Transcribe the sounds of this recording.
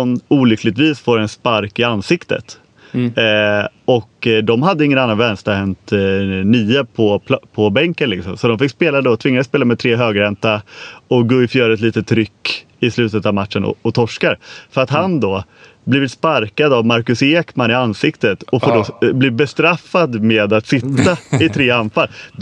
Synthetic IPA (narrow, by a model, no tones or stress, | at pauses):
ɔnuːlʏkʰːlɪɡ̚t̪viːsfoːɾɛnspaɾkɪanːsɪkt̪ə̰t̪ | ɔkd̪ɔmɦad̪ːəɪŋːənanːanvɛnst̪əhɛnt̪niːəpʰɔpʰpʰɔbɛŋkənlɪksɔmsɔd̪ɔmfɪkspeːlad̪ɔt̪ʰvɪŋːanəspeːlamɛt̪ʰɾeːɦøːɡɾɛnt̪aɔkɡoːɪfjœːɾəɛt̪liːt̪ət̪ʰːɾʏkː | ɪslʉ̟ːt̪ət̪avmat̪ʂənɔ̰ɔt̪ʰɔʂkaɾfœɾat̪ɦand̪ɔ | bliːvɪt̪spaɾkad̪avmaɾkɵseːkmanɪansɪkt̪ət̪ɔfoːɖɔbliːbɛst̪ɾafːad̪meːd̪at̪sɪt̪ːaɪt̪ʰɾeːanːfalː